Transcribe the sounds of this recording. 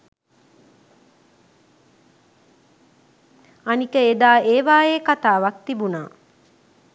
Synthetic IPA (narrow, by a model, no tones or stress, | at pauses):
anikəed̪aːʔeːʋaːeːkat̪aːʋak̚t̪ibunaː